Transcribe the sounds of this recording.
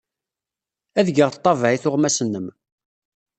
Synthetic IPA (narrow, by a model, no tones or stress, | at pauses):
æðɡəʁt̪ˤːɑvʕiθʊʁmæsənːəm